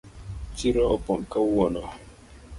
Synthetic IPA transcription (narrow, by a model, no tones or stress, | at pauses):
t͡ʃiɾɔɔpɔmkawɔnɔ